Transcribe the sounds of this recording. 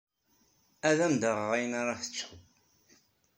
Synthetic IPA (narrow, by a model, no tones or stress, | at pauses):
æðæmd̪əʁʁæjənaɾˤɑθə̥t͡sːu